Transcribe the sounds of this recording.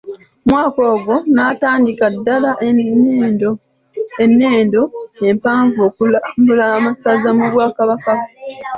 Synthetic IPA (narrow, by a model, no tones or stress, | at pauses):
mwaːko̞ːɡo̞nataːndikadːalaʔ | do | enːe̞ːndo̞e̞mpaːɱvo̞ːkumbulamasazamuβwaːkaβaka